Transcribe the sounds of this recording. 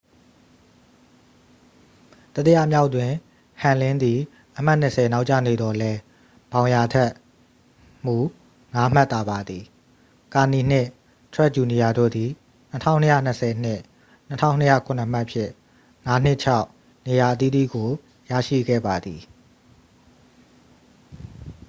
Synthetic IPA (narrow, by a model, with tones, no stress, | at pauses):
t̪ə˦t̪ja̰˦˨mja˦ʊtwɪ̃˨ | hã˨lɪ̃˦nd̪i˨ | ʔəm̥a˦ʔn̥ə˨sʰɛ˨na˦ʊʔt͡ɕä̰˦˨ne˨d̪ɔ˨lɛ˦ | b̥ã˨ʊ̃ja˨tʰɛ˦ʔ | m̥u˨ | ŋa˦m̥a˦t̪ːa˦ba˨d̪i˨ | ka˨ni˨n̥ɪ̃˦˨ | tʰɹɛ˦ʔ̚t͡ɕu˨ni˨ja˨do̰˦˨d̪i˨ | n̥ətʰã˦˨ʊ̃nːəjä̰˦˨n̥ə˨sʰɛ˨n̥ɪ˦˨ | n̥ətʰã̰˦ʊ̃nːə˦ja̰˦˨kʰʊ̃˨nə˨m̥a˦ʔpʰjɪ̰̃˦˨ | ŋa˦n̥ɪ˦ʔt͡ɕʰa˦ʊʔ | ne˨ja˨ʔət̪̬i˦d̪ḭ˦˨ɡo˨ | ja̰˦˨ʃḭ˦˨ɡɛ̰˦˨ba˨d̪ði˨